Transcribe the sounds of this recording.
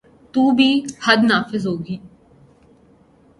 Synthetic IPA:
t̪uːbʱiːhɐd̪naːfɪzɦoːɡiː

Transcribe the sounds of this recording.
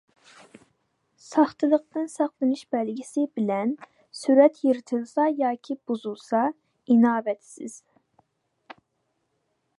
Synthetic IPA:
sɑχt̪ʰɨlˠəqt̪ɨnsɑχlˠɨnɨʃbɛlɡʲisɪbɪlɛn | syɾɛt̪ʰjiɾɪt̪ʰɨlˠsɑjɑːkʲʰibuzulˠsɑ | inɑːbɛt̪sɪ̰z̥

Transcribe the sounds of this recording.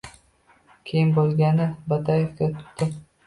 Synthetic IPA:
kʲʰejɪmbolˠɡʲanɪbat̪ajefɡʲat̪ʰʊ̥d̪ɪ

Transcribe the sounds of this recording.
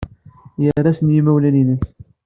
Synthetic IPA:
jərːasənjimæwlæninəs

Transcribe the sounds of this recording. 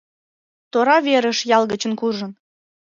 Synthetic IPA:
t̪oɾɑβeɾəʃjɑlˠɣət͡ɕə̆nkuʒən

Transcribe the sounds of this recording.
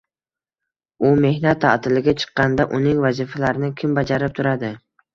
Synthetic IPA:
ʊme̞hnat̪ʰːa̰ʔt̪ʰɪlɪɡʲat͡ʃʰɨ̥qːɑnd̪aʔʊnɪŋvazifalaɾɪnɪkʲʰɪmbad͡ʒaɾɪp̚t̪ʰʊɾad̪ɪ

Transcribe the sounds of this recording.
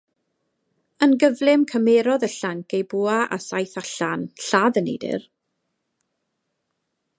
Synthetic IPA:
ənɡəvlˠɪmkʰəmeːɾɔðəɬaŋkejbuːaʔa̰sajθaɬanɬaðənḛjdɪ̰r

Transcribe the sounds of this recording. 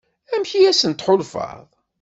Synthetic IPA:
æmçiæsənt̪ħʊlfɑ̰ðˤ

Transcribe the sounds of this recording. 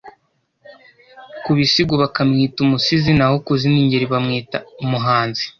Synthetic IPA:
kuβisiɡwoβakamŋiːtumusizinaho̞kuziniɲɟeɾiβamŋiːtaumuɦaːnzi̥

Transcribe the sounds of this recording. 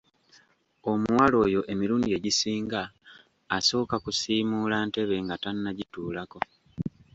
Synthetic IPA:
o̞muwalo̞ːjo̞ʔe̞miɾuːndieɟisiːŋɡaː | so̞ːkakusiːmulaːnte̞βe̞ŋɡatanːaɟituːlako̞

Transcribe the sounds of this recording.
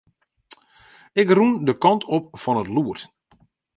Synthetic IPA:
ɪkrundəkɑntʰopfɔnətluət

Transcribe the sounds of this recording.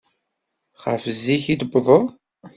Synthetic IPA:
χə̰fzːiçid̪bðˤo

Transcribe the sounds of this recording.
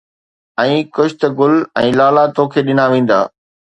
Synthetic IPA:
ɛ̃ːkʊʃʰɪt̪ɐɡʊlɛ̰̃ːlaːlat̪õːkʰeːɗɪnaʋẽːn̆d̪a̰ː

